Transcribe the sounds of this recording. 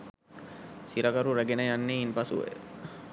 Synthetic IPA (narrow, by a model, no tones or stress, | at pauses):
siɾakaɾuɾæɡenəjanːeinpasṵʋḛ